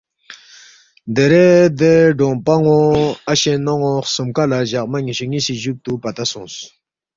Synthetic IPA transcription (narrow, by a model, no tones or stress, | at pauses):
nd̪eɾed̪eɖ͡ʐɔŋpaŋoaɕenaŋosumkalaʑaʔ̚maɲiɕuŋiɕiʑuk̚t̪upat̪asuŋs